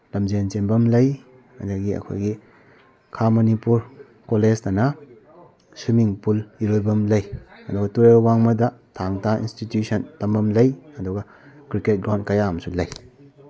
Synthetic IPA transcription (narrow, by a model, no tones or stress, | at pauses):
lɐmd͡ʒent͡ʃembɐmlɐj | ɐ̰daɡiɐ̰kʰo̰jɡi | kʰamɐnipuɾ | kolestɐnɐ | sumiŋpuliɾojbɐmlɐjɐduɡɐtuɾebwaŋmɐdɐtʰaŋtʰaḭnstitjusʰɐntɐmbɐmlɐjɐduɡɐ | kɾiket̚ɡɾawntkɐjaɐmɐsulɐj